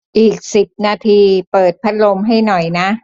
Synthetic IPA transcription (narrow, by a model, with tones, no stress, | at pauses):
ʔiː˨˩k̚si˨˩p̚naː˧t̪ʰiː˧pɤː˨˩t̪̚pʰa˦˥t̪̚lo˧mɦa˥˩jnɔ˨˩jna˦˥